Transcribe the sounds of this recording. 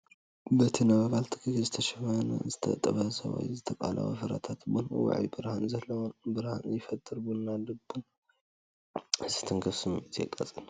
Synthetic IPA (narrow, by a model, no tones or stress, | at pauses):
bɐt̪ʰinaβɐβalt̪ʰɨ̥kʰɨkizɨt̪ʰɐʃɐmɐn̰zɨt̪ʰɐt̪ʼːɐβɐhsɐ̰βa̰jzɨt̪ʰɐkʼa̰la̰wo̰fɐɾa̰t̪ʰat̪bon̰wa̰ʕjibɨɾhanzɐlːɐwnbɨɾhanjɪfɐt̪ʼːɨɾbunːadɨbun | ɨzi̥t̪ʰɨŋkʰɐfsɨmɨt̪ʰjɛ̰kʼːa̰t͡sʼɨn